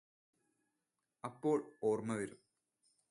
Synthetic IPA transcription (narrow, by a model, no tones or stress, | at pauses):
ɐpːo̞ːɭoːrmɐʋɐɾum